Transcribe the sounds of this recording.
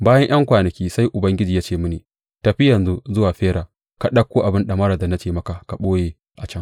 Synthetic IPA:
baː˦jɐ˦ɲj̰ɐ˦ŋkʷaː˨nɐ˨kʲiː˦sa˦jʔʊ˨bɐ˦ŋɡʲɪ˦d͡ʒiː˨jaː˦t͡ʃeː˦˨mʊ˦niː˨ | tɐ˨ɸɪ˦jɐ˨nzu˦zʊ˦waː˨ɸeː˦ɾaː˨ | ka˨ɗɐ˦kʷːoː˦ʔa˨bɪ˦nɗɐ˨mɐ˦ɾa˨da˨na˦t͡ʃeː˨mɐ˦ka˨ka˨ɓoː˦jeː˨ | ʔa˨t͡ʃɐ˦ŋ

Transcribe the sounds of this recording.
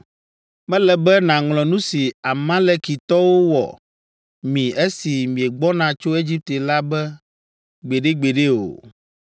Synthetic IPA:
mɛ̃˦lɛ˨bɛ˦nã˨ŋlɔ̃˨nũ˦si˨a˨mã˦lɛ˦˨ki˨t̪ɔ˦wo˦wɔ̰˨ | mĩ˨e˦si˨mĩ˨ɛ˨ɡ͡bɔ˦nã˨t͡ʃo˦e˦d͡ʑi˦p̚t̪e˨la˦bɛ˦ | ɡ͡be˨ɖe˦ɡ͡be˨ɖe˦o̰˨

